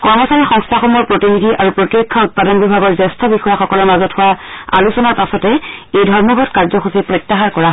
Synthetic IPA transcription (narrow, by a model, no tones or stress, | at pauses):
kɔɹmɔsaɹixɔ̃ŋstʰaxɔmɔɹpɹotinidʱiʔaɹupɹotɹikʰːaut̚padɔnbibʱaɡɔɹzɛstʰɔbixɔjaxɔkɔlɔɹmazɔthʊwaa̰lusɔnaɹpasɔtɛejdʱɔɹmɔɡʱɔtkaɹzɔxusipɹɔjtːaɦaɹkɔɹaɦ